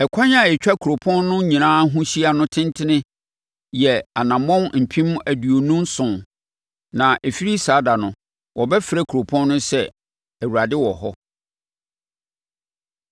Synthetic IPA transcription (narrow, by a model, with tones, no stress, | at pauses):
ɛ˨kʷʰã˦ɲa˦˨ɛ˨t͡ɕᶣa˦kʰu˨o˨pʰɔ̃˦nːʊ̃˦ɲĩ˨nãː˦ɦũ˦ɕi˦a˨nʊ̃˦tʰɪ̃˦ntʰɪ˦nɪ̃˦ | jɛ˨a˨nã˨mɔ̃˦nm̩˨pʰĩ˦m˦æ˨du˨o˨nũ˦msʊ̃˨n | nã˨ʔe˨fi˦ɾi˦saː˨˦da˨nʊ̃˨ | wʔɔ˨bɛ˦fɪ˨ɾæ˦kʰu˨ɾo˨pʰɔ̃˦nː˦ʊ̃˦sɛ˦ | æ˨wu˨ɾa˨dɪ˦wɔ˨ɦɔ˦